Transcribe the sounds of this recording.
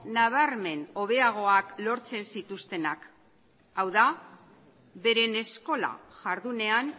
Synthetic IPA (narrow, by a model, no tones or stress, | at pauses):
naβ̞aɾme̞no̞β̞e̞aɣ̞o̞aklo̞ɾt͡se̞nsit̪ust̪e̞nak | awða | βe̞ɾe̞ne̞sko̞la̰ʝaɾðune̞an